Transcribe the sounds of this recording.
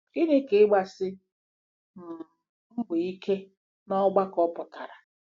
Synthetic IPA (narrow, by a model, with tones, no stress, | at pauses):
i˦ne˦ke˨˦ɡ͡ba˦sɪ˦ | m̩˨ | m̩˦ɡ͡be˨i˦kʰe˦ | nɔ˦ɡ͡ba˦kɔ˦pʊ˨ta˨ɾa˨